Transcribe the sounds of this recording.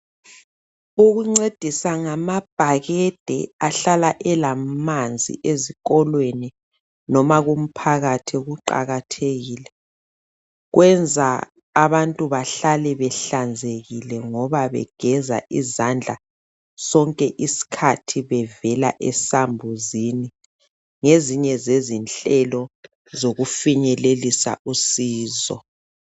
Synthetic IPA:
uɣuŋ͡ǀed̥ʱisaŋamab̥ʱaɣɛd̥ʱɛ̰aɬalaʔɛlamand͡zʱḭʔeziɣɔlweni | nɔmaɣum̩pʰaɣatʰiɣuǃa̰ɣatʰeɣiːlɛ | ɣwʔɛnd͡zʱa̰ː | βantʼuβaɬalɛβɛɬand͡zʱeɣilɛŋɔβaβɛ̰ɡ̥ʱɛza̰ʔizand͡ɮʱa | sɔŋkʼɛʔisi̥kʰatʰiβɛvɛla̰ʔɛsambʱuzini | ŋeziɲɛzezint͡ɬɬɛlɔ | zoɣufiɲɛlelisa̰ʔusiːzɔ̰

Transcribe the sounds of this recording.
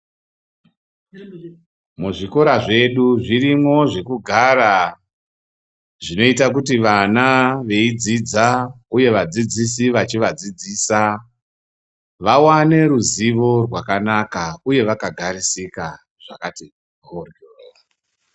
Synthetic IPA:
muʐiko̞ɾaʐe̞ɗuʐiɾimo̞ʐe̞kuɡʱaɾa | ʐino̞itak̬utiʋanaʋe̞id͡zid͡zauje̞ʋad͡zid͡zisiʋat͡ʃiʋad͡zid͡ziːsa | ʋawane̞ɾuziʋo̞rwakanakauje̞ʋakaɡʱaɾisika | ʐ̥akati | orɡero

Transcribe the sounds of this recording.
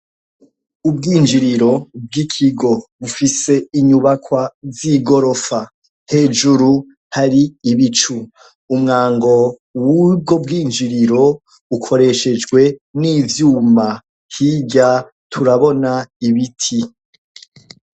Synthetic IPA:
ubɡiːnd͡ʒiɾiɾo̞b̚ɡikʰiɡo̞βufise̞iɲuβakwaziɡo̞ɾo̞fa | he̞ːd͡ʒuɾu | haɾiːβit͡ʃu | umŋaːŋɡo̞ | wubɡob̚ɡiːnd͡ʒiɾiɾo̞ | ukʰo̞ɾe̞ʃe̞d͡ʒɡwe̞niːvjuːma | hiɟa | tʰuɾaβo̞naiβitʰi

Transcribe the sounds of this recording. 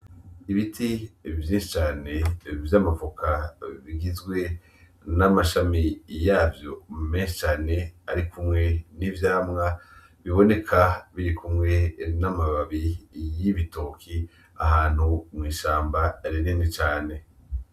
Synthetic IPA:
iβitʰivjĩːnʃit͡ʃaːne̞vjamavukʰaβiɡizɡwe̞ | namaʃamijaːvjo̞meːnʃi̥t͡ʃaːne̞aɾikumŋe̞nivjaːmŋa | βiβo̞ne̞kʰaβiɾikumŋe̞namaβaβijiβitokʰi | aɦaːn̥humŋiːʃaːmbaɾiɾiːndit͡ʃaːne̞

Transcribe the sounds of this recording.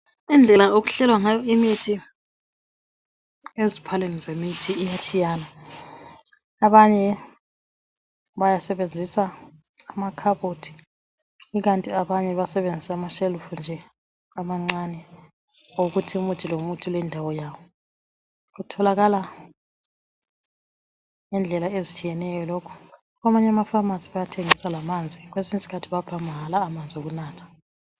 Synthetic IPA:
ind͡ɮʱɛlaoɣuɬɛlwaŋajɔimitʰi | ezipʰalenizemitʰiːjat͡ʃʰijaːna | ɓaɲɛ | ɓajasɛβend͡zʱisa | amakʰaɓotʰi̥ | iɣ̬antʼiaɓaɲɛβasɛβend͡zʱisamaʃɛlufund͡ʒʱɛ | amaŋ͡ǀanɛ | oɣutʰiumutʰilomutʰulwɛndʱawɔjaːwɔ | kutʰɔlaɣala | nɛnd͡ɮʱɛlaezit͡ʃʼijɛnɛjɔlokʰu̥ | kwamaɲamafamasiβajatʰeŋisalamand͡zʱik̬wesinsi̥kʰatʰiβab̥ʱamʱaɦalaːmand͡zʱoɣ̬unaːtʰḁ

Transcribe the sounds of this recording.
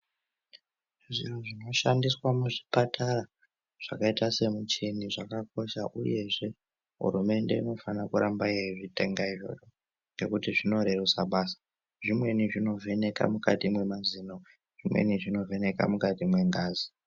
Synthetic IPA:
ʐiroʐino̞ʃandiswamuʐipatʰaɾa | ʐ̥akaitase̞mut͡ʃiniʐakako̞ʃa̰ʔuje̞ʐe̞ | ɦṵɾume̞nde̞̰ino̞fanakuɾʔambaeiʐite̞ŋɡaiʐo̞̰t͡ʃo | ŋɡe̞kutiʐino̞ɾe̞rusa̰ɓaːsḁ | ʐimwe̞niʐino̞vʱe̞ne̞ka̰muka̰timwe̞maziːno | ʐ̥imwḛniʐino̞ve̞ne̞ka̰mukatimwe̞ŋɡaːzi

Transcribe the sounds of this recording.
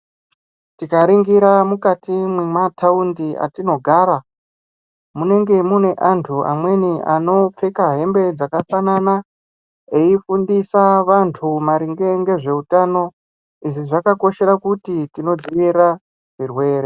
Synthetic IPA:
tikaɾiŋɡiɾamukatimwemataundia̰tino̞ɡʱaːɾa | mune̞ŋɡe̞mune̞ʔantʰuʔa̰mwe̞niʔano̞p͡fe̞kaɦe̞mbe̞d͡zakafanana | eifundisaʋantʰumaɾiŋɡe̞ŋɡe̞ʐe̞utaːno̞ | iʐiʐakako̞ʃe̞ɾakutitino̞d͡ziʋiɾa | ʐirwe̞ːɾe

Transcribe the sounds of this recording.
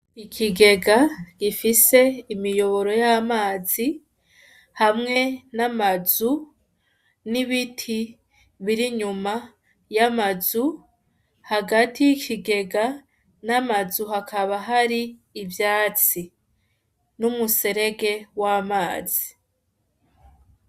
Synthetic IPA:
ikʰiɡe̞ɡaɡ̥ifise̞imijo̞βo̞ɾo̞jamaːzi | hamŋe̞namazu | niβitʰi | βiɾiɲuma | jamazu | haɡatijikʰiɡe̞ɡa | namazuɦakʰaβaɦaɾiːvjaːt͡si | numuse̞ɾe̞ɡe̞wamaːz̥i

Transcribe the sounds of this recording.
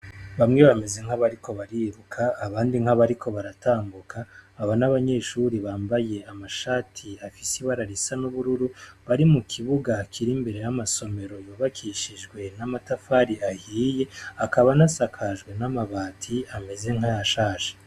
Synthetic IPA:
βamŋe̞βame̞ze̞ŋ̥haβaɾiko̞βaɾiɾukʰaːβaːndiŋ̥haβaɾikʰo̞βaɾataːmbukʰaːβanaβaɲe̞ʃuɾiβaːmbaje̞amaʃaːtʰiafisiβaɾaɾisanuβuɾuɾuβaɾimukʰiβuɡakʰiɾimbe̞ɾe̞jamaso̞me̞ɾo̞juːβakʰiʃiʒɡwe̞namatafaːɾiahiːje̞akaβanasakʰaʒɡwe̞namaβaːtʰiame̞ze̞ŋɦajaʃaːʃe̥

